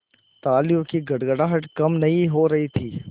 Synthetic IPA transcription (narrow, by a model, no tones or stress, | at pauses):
t̪aːlijõkiɡɐɽɡəɽaːɦɐʈkɐmnɐɦĩɦoɾɐɦit̪ʰiː